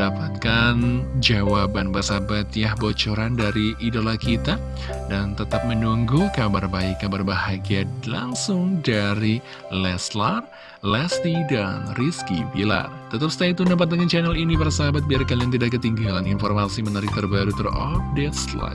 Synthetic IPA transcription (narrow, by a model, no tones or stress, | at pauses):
dapat̪̚kand͡ʒawabanbarsabat̪jahbot͡ʃoɾandaɾiʔidolahkit̪a | dant̪ət̪ap̚mənuŋɡukabarbaikːabarbahaɡialaŋsʊŋdaɾi | lɛslar | lɛst̪idanriskḭbila̰t̪ət̪ap̚sə̥t̪ait̪unap̬at̪aŋant͡ʃanɛlinipaɾasaɦabat̪̚biarkaliaŋt̪̬idaʔkːət̪iŋɡalaninformasimənaɾɪk̚t̪ərbaɾut̪ərɔ̰p̚dɛtsla̰